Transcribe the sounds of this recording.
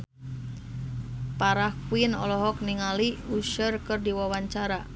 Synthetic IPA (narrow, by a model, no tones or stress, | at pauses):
paɾahkuinɔlɔɦɔk̚niŋaliuʃərkɨrdiwawaɲt͡ʃaɾa